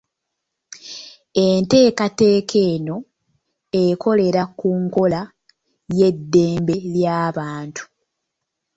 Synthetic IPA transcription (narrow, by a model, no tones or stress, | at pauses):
ente̞ːkate̞ːkʰe̞ːno̞ | e̞kʰo̞le̞ɾakuːŋko̞la | je̞dːe̞ːmbe̞ljaːβaːntʰu̥